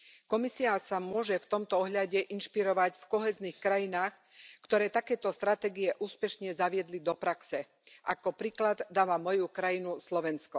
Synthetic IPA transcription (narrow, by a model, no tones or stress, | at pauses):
kɔmisiasamʊɔʒɛft̪ɔmt̪ɔɔɦʎaɟɛʔinʃpiɾɔʋacfkɔɦɛːznixkɾajinaːx | kt̪ɔɾɛːt̪akɛːt̪ɔst̪ɾat̪ɛːɡiɛʔuːspɛʃɲɛzaʋɪɛd̪lid̪ɔpɾaksɛ | ʔakɔpɾiːklad̪d̪aːʋamɔjukɾajinuslɔʋɛnskɔ